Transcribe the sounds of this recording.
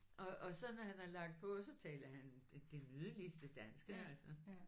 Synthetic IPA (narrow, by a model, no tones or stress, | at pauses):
ʔɒ̽ʔɒ̽sɒ̽nɒhænælɑ̈ɡ̥d̥̚pʰɒ̽sɒ̽t͡sʰɛ̰ːlɐhænd̥e̝nyðˠlisd̥əd̥ænsɡ̥əælsɐ